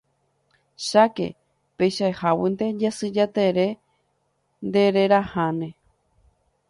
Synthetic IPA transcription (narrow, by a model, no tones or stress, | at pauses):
ʃake̞̰ | pejʃaehawind̪e̞d͡ʒasɨd͡ʒat̪eɾe̞ | nd̪e̞ɾe̞ɾahãnẽ